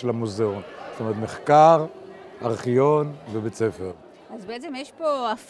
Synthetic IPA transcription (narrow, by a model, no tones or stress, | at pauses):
elamuzeonst̪omeet̪meχkaʁaʁχijonvebet͡sefeʁ | azbeet͡semjeʃpoa